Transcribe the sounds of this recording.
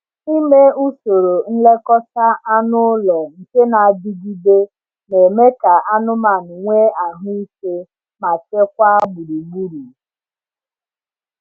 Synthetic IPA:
i˦me˦u˦so˨ɾo˨n̩˦le˦kɔ˦ta˦ʔa˦nʊ˦lɔ˨ŋ̩˨ke˦na˨a˨d͡ʒi˦ɡi˦de˦ | ne˨me˦ka˨ʔa˦nʊ˦ma˨nʊ˨ŋʷe˦a˨ɦu˦i˦ke˦ | ma˨t͡ʃe˦kʷa˦a˦bʊ˨ɾi˨ɡ͡bu˦ɾu˨

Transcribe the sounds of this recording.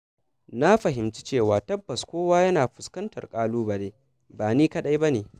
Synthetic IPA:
na˦ɸɐ˨ɦɪ˨mt͡ʃi˦t͡ʃeː˦˨waː˨tɐ˦bːɐ˨skʷoː˦waː˦jɐ˦naː˨ɸʊ˨skɐ˦ntɐ̰˨rkʼaː˦luː˦ba˨neː˨ | baː˨niː˦kɐ˦ɗa˦jba˦neː˨

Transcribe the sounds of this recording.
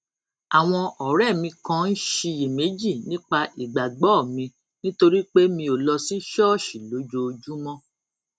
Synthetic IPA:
a˨w̃ɔ̃˧ɔ˨ɾɛ˦˨mĩ˧kã˦˧n̩˦ʃi˧je˨me˨˦d͡ʒi˦˨nĩ˦k͡pa˧ʔi˨ɡ͡ba˨ɡ͡bɔ˦˨mĩ˧ | nĩ˦to˧ɾi˦k͡pe˦mĩ˧o˨lɔ˧si˦ʃɔ˦˨ʃi˨lo˨˦d͡ʒo˧d͡ʒu˦mɔ̃˦

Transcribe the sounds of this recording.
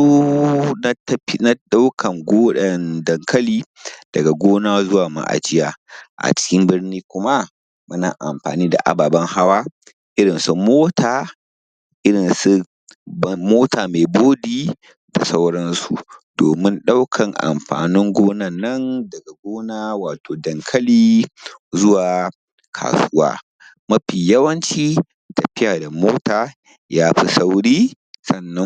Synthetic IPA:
u˦na˦tɐ˦ɸi˦na˦ɗa˦wkʰɐ˨ŋɡʷoː˦ɗɐ˨ndɐ˨ŋkʰɐ˦liː˦ | d̥ɐ˨ɡa˨ɡʷoː˦naː˦zʊ˦waː˨ma̰˨ʔa̰˨d͡ʒɪ˦jaː˦ʔa̰˨t͡ʃɪ̥˦kʲɪ˦mbɪ˦rniː˦kʷʊ˦ma˦ | mʊ˦na̰ː˨ʔa̰˨mɸa̰ː˨niː˦da̰˨ʔa̰˨baː˨bɐ˦ŋha˦waː˦ | ʔɪ˦ɾɪ˨nsu˦moː˦tʰaː˨ | ʔɪ˦ɽɪ˨nsu˦ | bmoː˦taː˨meː˨boː˦diː˦ | da̰˨sa˦wɽɐ˦nsu˨doː˨mɪ˦nɗa˦wkʰɐ˨ŋʔa̰˨mɸa̰ː˨nɪ˦ŋɡʷoː˦nɐ˦˨nːɐ˦ndɐ˨ɡa˨ɡʷoː˦naː˦waː˨tʰoː˨dɐ˨ŋkʰɐ˦liː˦zʊ˦waː˨ | kʰa̰ː˨sʊ˦wa̰ː˦ | mɐ˦ɸiː˨jɐ˦wɐ˦nt͡ʃiː˦ | tɐ˨ɸɪ˦jaː˨da˨moː˦taː˨ | jaː˦ɸi˦sa˦wɽiː˦ | sɐ˦˨nːɐ˦n

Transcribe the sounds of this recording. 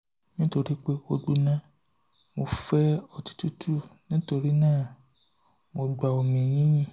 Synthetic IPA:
nĩ˦to˧ɾi˦k͡pe˦o˧ɡ͡bu˧nã˦ | mo˧fɛ˦ɔ˧tu̥˦tu˦tʰu˦˨nĩ˦to˧ɾi˦nãː˦˨ | mo˧ɡ͡ba˧o˨mĩ˨j̃ĩ˦jĩ˦˨

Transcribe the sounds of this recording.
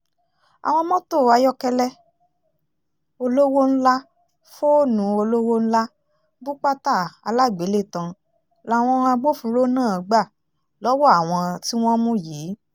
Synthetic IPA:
a̰˨w̃ɔ̃˧mɔ̃˦to˦˨a˧jɔ˧kɛ˧lɛ˦ | o˧lo˦wo˦n̩˦la˦ | fo˦nũ˨˦o˧lo˦wo˦n̩˦la˦ | bu˦k͡pa˦ta˦˨a˧la˦˨ɡ͡be˨˦le˦˨tã˧ | la˨w̃ɔ̃˧a˧ɡ͡bo˦fũ˧ɾo˦nãː˦˨˧ɡ͡ba˦˨ | lɔ˨˦wɔ˦a˦˨w̃ɔ̃˧ti˦w̃ɔ̃˦mũ˦ji˨˦

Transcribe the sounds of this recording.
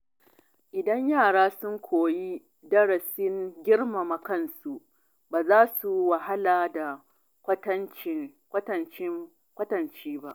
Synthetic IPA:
ʔɪ˨dɐ˦ɲjaː˦˨ɽaː˦sʊ˦ŋkʷʰoː˨ji˦ | dɐ˦ɽɐ˨sɪ˦ŋɡʲɪ˦ɽma˨ma˨kɐ˦˨nsu˨ʔ | baː˨zaː˦su˨wa˨ha˦laː˨da˨ | kʷɐ˦tɐ˦nt͡ʃɪ˦kʷɐ˦tɐ˨nt͡ʃɪ˦ | kʷɐ˦tɐ˨nt͡ʃiː˦ba˦ʔ

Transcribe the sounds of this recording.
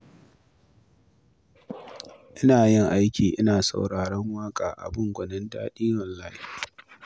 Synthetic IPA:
ʔɪ˦naː˨jɪ˦˨ŋʔa˦jkʲʰiː˨ʔɪ˦naː˨sa̰˨wɽaː˨ɽɐ˦ŋwaː˦kʼaː˨ʔa̰˨bʊ˦˨ŋɡʷɐ˨nɪ˦nda̰ː˦ɗiː˦wɐ˨lːaː˦hi˦

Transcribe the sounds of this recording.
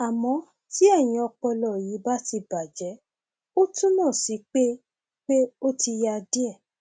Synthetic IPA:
a˨mɔ̃˧˦ | ti˦ɛ˦˨j̃ĩ˧˦ɔ˧k͡pɔ˧lɔ˨ji˨˦ba˦ti˧ba˨d͡ʒɛ˨˦ | o˦tũ˦nãː˦˨si˨˦k͡pe˦ | k͡pe˦o˦ti˧ja˧di˦ɛ˦˨

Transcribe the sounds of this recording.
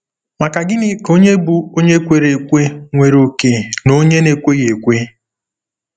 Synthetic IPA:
ma˨ka˨ɡɪ˦nɪ˦ko˦ɲe˦bu˦o˦ɲe˦kʷe˨ɾe˨kʷe˦ŋʷe˨ɾo˨ke˨no˦ɲe˦ne˨kʷe˦ɣe˨kʷe˦

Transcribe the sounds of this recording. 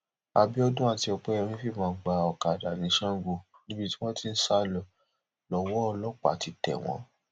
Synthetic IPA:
a˧bi˦ɔ˦dũ˦a˦˨ti˧ɔ˧k͡pɛ˦ɔ˧ɾ̃ĩ˦fi˦˨mãː˨˦˨ɡ͡ba˨ɔ˨ka˨da˨nĩ˨˧˦ʃã˦ɡo˧˨ | nĩ˦bi˧ti˦w̃ɔ̃˦tĩ˦n̩˦sa˦lɔ˧˨ | lɔ˧wɔ˦ɔ˧lɔ˦k͡pa̰˨ti˨˦tɛ̰˨w̃ɔ̰̃˨˦

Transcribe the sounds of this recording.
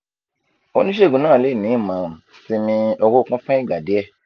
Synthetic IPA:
o˧nĩ˦ʃe˦˨ɡũ˨nãː˦˨le˦˨nĩ˨˦˨mã˨˦˨ | si˧nĩ˧ɔ˧wo˦˧kɔ̃˦fɛ̃˦ĩ˦˨ɡ͡ba˨de˨˦ɛ˦˨

